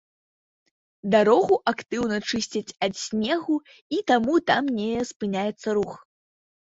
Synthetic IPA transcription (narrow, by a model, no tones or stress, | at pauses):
d̪aɾɔɣuʔakt̪ɨwnɐt͡ʂɨsʲt͡sʲɐt͡sʲɐt̪sʲnʲɛɣu | it̪amut̪amnʲɛspɨnʲajɛt̪sːɐɾux